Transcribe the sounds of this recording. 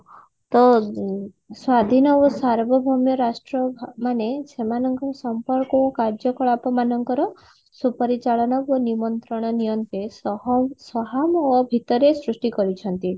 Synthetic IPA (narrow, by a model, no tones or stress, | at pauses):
t̪ɔ | swad̪ʱinɔosaɾbʱɔbʱɔmjɔɾasʈɾɔbʱmanesemanɔŋkɔsɔmpɔɾkɔːkaɾd͡ʒɔkɔɭapɔmanɔŋkɔɾɔ | supɔɾit͡ʃaɭɔnɔbonimɔnt̪ɾɔɽ̃ɔnijɔnt̪esɔɦɔmsɔɦamobʱit̪ɔɾesɾusʈikɔɾit͡ʃʰɔnt̪i